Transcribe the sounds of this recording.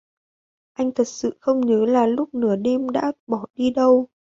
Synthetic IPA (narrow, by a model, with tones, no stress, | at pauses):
ʔa˧jŋ̟t̪ʰə˨˩t̚sɨ̰˧˨xə˧wŋ͡mɲəː˨˦laː˨˩lʊ˦˥k͡p̚nɨ˧˩əɗɛ˧mɗa̰ː˧˥ɓɔ˧˩ɗi˧ɗə˧w